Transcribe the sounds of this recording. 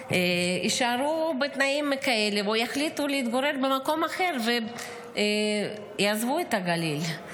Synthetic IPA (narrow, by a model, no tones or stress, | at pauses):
eiʃaɾubet̪naimːekaelevujaχlit̪uleit̪ɡoɾe̞ɾbemako̞maχe̞ɾve | jazvuet̪aɡalil